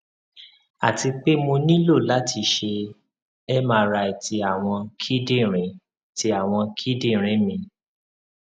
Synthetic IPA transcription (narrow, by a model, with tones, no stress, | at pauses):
a˨ti˧k͡pe˦mo˧nĩ˦lo˦˨la˦tʰi˧ʃe˧ | ɛ˦mã˧ɾa˧i˨ti˧a˨w̃ɔ̃˧kʰi˦dĩ˦˨ɾ̃ĩ˨˦˨ | ti˧˦a˨w̃ɔ̃˧kʰi˦dĩ˦˨ɾ̃ĩ˨˦mĩ˧